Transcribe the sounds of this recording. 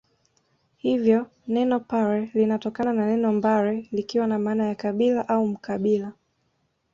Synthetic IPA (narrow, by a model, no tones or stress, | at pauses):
hivjɔ | nɛnɔpaɾɛlinatɔkanananɛnɔmbaɾɛlikiwanamaːnajakaɓilaʔaum̩kaɓila